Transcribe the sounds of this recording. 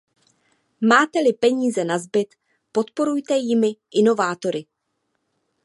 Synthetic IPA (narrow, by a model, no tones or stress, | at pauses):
maːt̪ɛlɪpɛɲiːzɛnazbɪt̪ | po̞t̪po̞ɾujt̪ɛjɪmɪʔɪno̞vaːt̪o̞ɾɪ